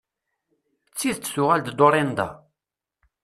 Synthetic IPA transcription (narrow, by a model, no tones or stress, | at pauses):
t͡sːiðt͡sːθʊʁæld̪d̪oɾˤind̪ɑ̰